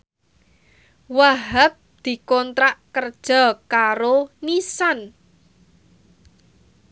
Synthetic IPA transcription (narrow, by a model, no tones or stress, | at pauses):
waɦap̚d̪̥i̤kɔnt̪ɾaʔkərd̥ʒ̥ɔ̤kaɾonisan